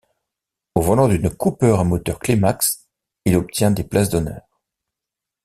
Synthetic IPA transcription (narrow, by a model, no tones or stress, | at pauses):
ovɔlɑ̃d̪ynkupœʁamɔt̪œʁklemaks | ilɔp̚t̪jɛ̃d̪eplas̬d̪ɔnœ̰ːʁ